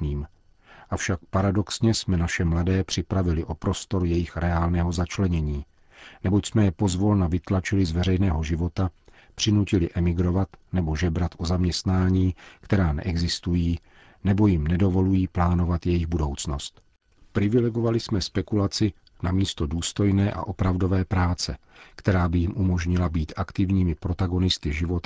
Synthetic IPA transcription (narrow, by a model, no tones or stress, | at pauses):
niːm | ʔafʃak̚paɾado̞ksɲɛsmɛnaʃɛmladɛːpr̝̥ɪpɾavɪlɪʔo̞pɾo̞st̪o̞ɾjɛjɪxɾɛaːlnɛːɦo̞zat͡ʃlɛɲɛɲiː | nɛbocsmɛjɛpo̞zvolnavɪt̪lat͡ʃɪlɪzvɛrɛjnɛːɦo̞ʒɪvo̞t̪a | pr̥ɪnucɪlɪʔɛmɪɡɾo̞vat̪nɛbo̞ʒɛbɾat̪ʔozamɲɛst̪naːɲiːkt̪ɛɾaːnɛ̰ʔɛɡzɪst̪ujiː | nɛbo̞jɪmnɛdo̞vo̞lujiːplaːno̞vat̪jɛjɪɣbudo̞wt͡sno̞st̪ | pɾɪvɪlɛɡo̞valɪsmɛspɛkulat͡sɪ | namiːst̪o̞duːst̪o̞jnɛːʔa̰ʔo̞pɾavdo̞vɛːpɾaːt͡sɛ | kt̪ɛɾaːbɪjɪmʔumo̞ʒɲɪlabiːt̪ʔakt̪ɪvɲiːmɪpɾo̞t̪aɡo̞nɪst̪ɪʒɪvo̞t̪